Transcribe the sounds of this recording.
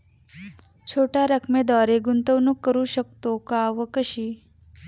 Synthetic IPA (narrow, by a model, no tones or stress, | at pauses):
t͡ʃʰoʈaɾəkʰmed̪ʋaɾeɡunt̪əʋnukːəɾuʃək̚t̪okaʋəkəʃi